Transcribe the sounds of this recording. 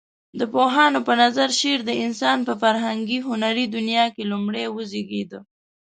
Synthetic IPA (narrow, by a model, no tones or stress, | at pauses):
d̪əpoɦɑnopənazaɾʃeɾd̪əɪnsɑnpəfaɾɦaŋɡiɦʊnaɾid̪ʊnjɑkelumɽewəzeɡed̪ə